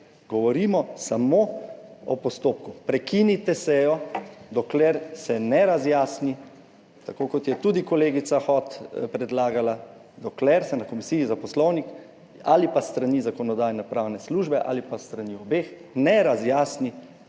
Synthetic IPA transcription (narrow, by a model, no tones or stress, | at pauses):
ɡɔʋɔɾiːmɔsamoɔ̰pɔst̪oːp̚kupɾɛkinit̪ɛsɛjɔd̪ɔklɛɾsɛnɛɾazjaːsni | t̪akoːkɔt̪jɛt̪ud̪ikɔleːɡit̪saxɔt̪pɾɛd̪laːɡala | d̪ɔklɛɾsɛnakɔmisiːizapɔslɔwnik | alipast̪ɾaniːzakɔnɔd̪aːjnɛpɾawnɛsluːʒbɛʔa̰lipast̪ɾaniɔbeːxnɛɾazjaːsni